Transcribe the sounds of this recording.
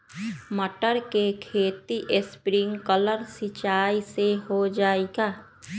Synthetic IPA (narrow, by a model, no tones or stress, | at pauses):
məʈəɾkekʰeːt̪iʔɪspɾɪ̃ŋkələɾsɪt͡ʃaːiseɦod͡ʒaːeɡaː